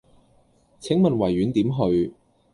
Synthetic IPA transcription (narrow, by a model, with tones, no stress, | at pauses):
t͡sʰɪ˨˥ŋmɐ˨nwɐ˨˩jɥyː˨˥nt̪iː˨˥mɦɵ˧ɥ